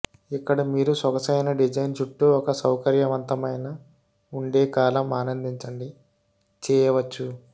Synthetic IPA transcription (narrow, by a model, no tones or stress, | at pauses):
ikːɐɽɐmiːɾusɔkɐsɐjnɐɖid͡ʒɐjnt͡ʃuʈːuɔkɐsɐwkɐɾjɐʋɐnt̪ɐmɐjnɐ | uɳɖe̞ːkaːlɐmaːnɐnd̪iɲt͡ʃɐɳɖi | t͡ʃɛːjɐʋɐt͡ʃːu